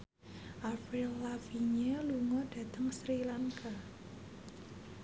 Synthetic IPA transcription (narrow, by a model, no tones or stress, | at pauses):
ʔapɾilːafiɲeluŋɔɖ̥a̤t̪əŋsɾilaŋka